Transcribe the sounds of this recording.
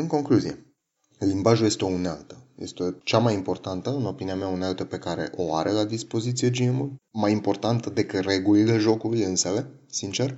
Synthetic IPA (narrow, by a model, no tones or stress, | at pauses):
ɨŋko̞ŋkluzije̞ | limbaʒuje̞st̪eo̞unealt̪ə̥jest̪eot͡ʃamajimpo̞rt̪ant̪əɨno̞piniameaunalt̪əpe̞kaɾe̞̰ʔo̞a̰ɾe̞lad̪ispo̞zit̪sije̞d͡ʒimulmajimpo̞rt̪ant̪əd̪e̞kɨt̪re̞ɡulile̞ʒo̞kulujɨnsele̞ | sint͡ʃe̞r